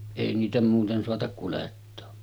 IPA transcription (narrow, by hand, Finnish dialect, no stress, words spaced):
eˑi niːtæ muːten soɑtɑk kuletːoː